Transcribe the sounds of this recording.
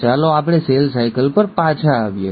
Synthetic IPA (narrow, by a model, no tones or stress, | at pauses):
t͡ʃaloapɽ̃eselsajkəlpəɾpat͡ʃʰaːʋjḛ